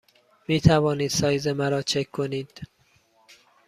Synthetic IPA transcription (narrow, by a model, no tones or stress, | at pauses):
miːt̪ʰævɒːniːd̪̥sɒːjzemæɾɒːt͡ʃʰekʰkʰːoniːd̪̥